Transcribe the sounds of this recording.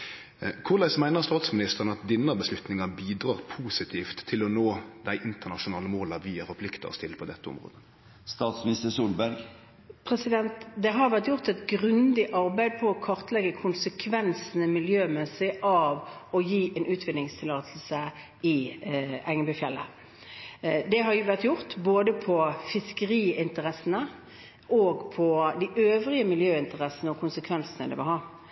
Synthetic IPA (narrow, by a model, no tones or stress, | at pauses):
kʰʊʁlæɪsmæɪnəʁst̪ɑːt̪smɪnɪst̪əʁənəɑt̪̚d̪ɪnːəbəslʉt̪nɪŋɑbiːd̪ʁɑːʁpʰuːsɪt̪ʰiːft̪ʰːɪlɔnoːd̪æɪʔɪnt̪əʁnɑʃʊnɑːləmoːlɑʋiːəfɔpʰlɪkt̪ə̰ɔ̰st̪ɪləpʰɔd̪ɛt̪ːəʊ̰mʁo̰ːd̪ə | st̪ɑːt̪smɪnɪst̪əsuːlbæɾɡ | pʰɾɛsɪd̪ɛnt̪d̪ɛɦɑɾʋæʁt̪jʊʁt̪ɛt̪ɡʁʉnd̪ɪʔɑɾbæɪd̪̚pʰɔɔkʰɔɾt̪lɛɡəkʰʊnsəkʰʋɛnsn̩əmɪljøːmɛsɪʔɑːʋɔjiːʔɛnʔʉːt̪ʰʋɪd̪nɪŋst̪ʰɪlɑːt̪ʰl̩sə | ɪ | ɛŋəbʏfjɛlːə̰ | d̪ɛɦɑɾjʋæʁt̪jʊʁt̪boːd̪əpʰɔfɪskəʁiːɪnt̪əʁɛsːənə | ʔoːɡpʰɔd̪iʔøːʋʁɪəmɪljøːɪnt̪əʁɛsənəɔkʰʊnsəkʰʋɛnsənə̰d̪ɛ̰ʋɪlɦɑː